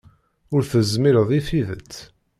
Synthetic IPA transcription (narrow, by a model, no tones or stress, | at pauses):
ʊɾθəzmiɾəðˤiθiðət͡sː